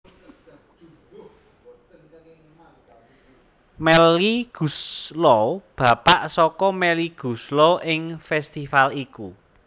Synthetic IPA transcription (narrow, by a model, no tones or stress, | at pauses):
mɛliɡ̥ṳslɔb̥ä̤paʔsɔkɔmɛliɡ̥ṳslɔʔɪŋfɛst̪ifaliku